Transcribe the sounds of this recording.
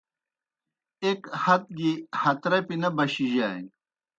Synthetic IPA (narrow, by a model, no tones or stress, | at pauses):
ekhɐt̪̚ɡihɐt̪ɾɐpinɐbɐɕiʑaːj